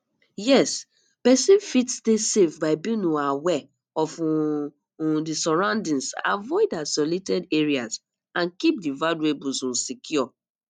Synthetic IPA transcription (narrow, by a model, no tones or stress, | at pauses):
jɛs | pɛsĩnfitstesefbaɪbĩnuawɛ | ɔf | disɔɹãʊ̃ndĩnsa̰vɔɪdasɔletɛdeɹiaz | ãnkip̚divaduebusɔ̃nsikʰjɔ